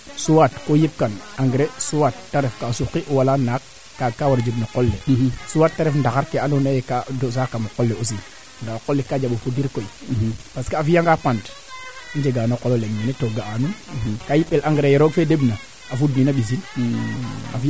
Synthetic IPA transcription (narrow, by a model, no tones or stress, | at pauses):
suwatkojip̚kanaŋɡɾesuwatːaɾefkasukːiʔwalanakː | akawaɾd͡ʒebnakolːesuwatːaɾefndaxaɾkeanonajekados̬akːamakolːeos̬i | ndakolːekad͡ʒaɓofudiɾkoipaskaafijaŋɡapand | nd͡ʒeɡanokololemminetoɡaanunkajiɓelʔaŋɡɾejeɾoɡfedebna | afudninaɓis̬in | a̰f